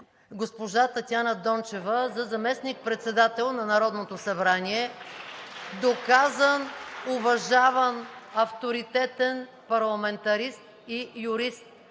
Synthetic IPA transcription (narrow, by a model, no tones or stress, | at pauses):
ɡospoʒat̪ɐt̪ʲjanəd̪ɔnt͡ʃɛvəzɐzɐmɛsnik̚pɾɛt̪sɛd̪at̪ɛlˠnɐnɐɾɔd̪not̪osɐbɾaniɛ | d̪okazənʊvɐʒavənɐft̪oɾit̪ɛt̪ɛn | pɐɾlˠɐmɛnt̪ɐɾist̪ | ijʊɾist̪̚